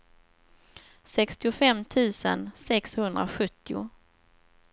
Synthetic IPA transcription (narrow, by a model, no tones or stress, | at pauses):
sɛkst̪ɪʊfɛmːt̪ʰʉ̟ːsə̰nsɛkshɵnd̪ɾa̰ɧɵt̪ːɪʊ̰